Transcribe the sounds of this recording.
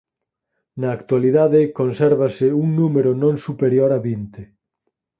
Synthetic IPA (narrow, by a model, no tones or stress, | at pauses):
nɐːkt̪waliðaðɪkonsɛɾβasɪuŋnumeɾonõŋsupeɾjoɾaβint̪e